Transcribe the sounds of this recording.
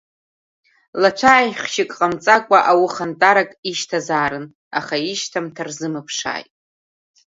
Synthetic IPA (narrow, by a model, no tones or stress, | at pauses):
lat͡ʃʷʰajχʲʃɪkʼqʼamt͡sʼakʷʼaʔawʊχantʼaɾakʼiʃtʰazaːɾɨn | a̰χaiʃtʰamtʰarzɨmapʰʂa̰ːjtʼ